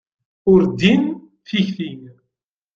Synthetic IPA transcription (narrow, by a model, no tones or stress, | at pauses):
ʊɾd̪in | θiçθin